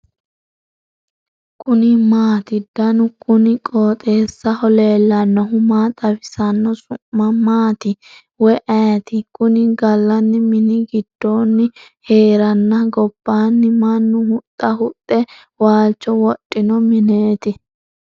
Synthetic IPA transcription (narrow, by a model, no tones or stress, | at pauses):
kʰʊnɪmaːt̪ɪd̪̥ɐnʊkʼʊnɪkʼoːt̪ʼe̞ːsːɐhɔle̞ːlːɐnːɔɦʊmaːt̪ʼɐfɪsɐnːɔsʊmːɐmaːt̪ɪ | wɔʔɐjɐt̪ɪkʊnɪɡɐlːɐnːɪmɪnɪɡɪd̪̥ːoːnːɪhe̞ːɾɐnːɐɡɔb̥ːaːnːɪmɐnːʊhʊt̪ʼːɐɦʊt̪ʼːɛ | waːlt͡ʃːɔwɔtʼːɪnɔmɪneːt̪ɪ